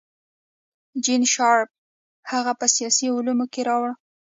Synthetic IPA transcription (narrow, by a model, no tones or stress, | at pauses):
d͡ʒinʃɑɾp̚ | haɣapəsijɑsiʊlumokeɾɑwɽ